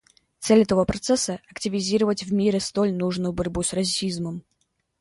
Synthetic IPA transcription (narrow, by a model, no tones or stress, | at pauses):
t̪sɛlʲɛt̪əvopɾɐt̪sɛsːəɐktʲɪvʲɪzʲiɾəvətʲvmʲiɾʲɪst̪olʲnuʐnʊjʊbɐɾʲbusrɐsʲizməm